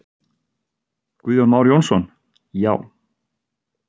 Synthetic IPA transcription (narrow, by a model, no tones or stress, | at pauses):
kviːðjɔnmaːwɾjownsɔn | ja̰ːw